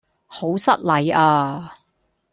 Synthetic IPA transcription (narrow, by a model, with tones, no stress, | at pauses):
ho˨˥wsɐ˥t̚lɐ˨˥jaː˧